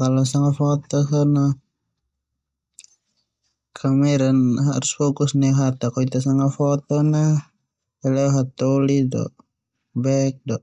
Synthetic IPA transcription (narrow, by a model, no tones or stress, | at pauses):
kalɔsaŋafɔt̪ɔkana | kʰamɛɾanɦa̰ɾusfɔkusnɛɦat̪akɔit̪asaŋafɔt̪ɔna | ɛlɛɦat̪ɔlidɔ̰ʔ | bɛk̚dɔʔ